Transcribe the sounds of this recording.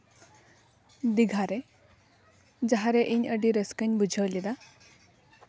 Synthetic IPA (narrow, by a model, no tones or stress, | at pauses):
d̪iɡʱaɾe | d͡zaɦaɾeʔinʲəɖiɾeskənʲbud͡ʒʱəwlid̪a